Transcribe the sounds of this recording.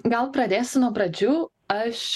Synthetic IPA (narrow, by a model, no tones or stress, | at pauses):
ɡɐlˠpɾɐd̪ʲeːsʲɪnuɔpɾɐd͡ʒʲuː | ɐʃ